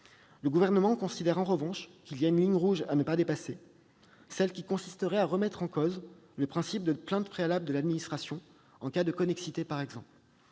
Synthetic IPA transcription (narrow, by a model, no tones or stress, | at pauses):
ləɡuvɛʁnəmɑ̃kɔ̃sid̪ɛʁɑ̃ʁəvɑ̃ʃkʲiljaynliɲʁuʒanəpad̪epase | sɛlkʲikɔ̃si̥st̪əʁɛaʁəmɛt̪χɑ̃koz | ləpχɛ̃sip̚d̪əplɛ̃t̪pχealabləd̪əlad̪minist̪χasjɔ̃ | ɑ̃kad̪əkɔnɛksit̪epaʁɛɡzɑ̃pl